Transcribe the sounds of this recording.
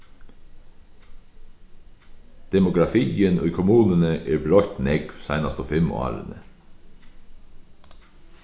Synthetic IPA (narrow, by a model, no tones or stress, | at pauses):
d̪̥ɛmʊɡɾɑfiːənʔḭːkʰʊmuːnənəʔeːbɾɔʏt̪nɛɡʋsæɪnɑst̪oːfɛmɑ̰ːɾə̰nə̰